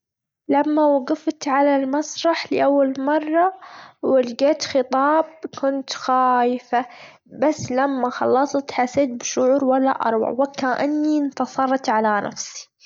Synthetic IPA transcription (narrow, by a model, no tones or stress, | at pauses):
lamːawɑɡɨft̪ʕalalmɑsˤɾˤɑħlɪʔawːalmɑrˤːɑwɪlɡeːt̪xɨt̪ˤɑːb̚kʊnt̪xaːjfa | basːlamːaxɑ̰lːɑsˤt̪ħaseːt̪̚bʃʊʕuːɾwalːa̰ʔɑ̰ɾˤwa̰ʕwɪkːaʔɪnːint̪ɑsˤɑrˤt̪ʕalana̰fsi̥